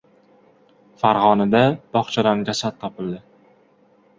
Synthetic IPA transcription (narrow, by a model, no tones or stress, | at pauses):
faɾʁɒnad̪ab̥ɒχt͡ʃʰad̪anɡʲasat̪̚ʰːɒpʰɪld̪ɪ